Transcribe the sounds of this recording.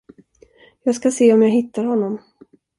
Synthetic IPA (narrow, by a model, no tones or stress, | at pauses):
jɑːɡskaseːɔmjɑɦɪt̪ːaɾhɔnːɔm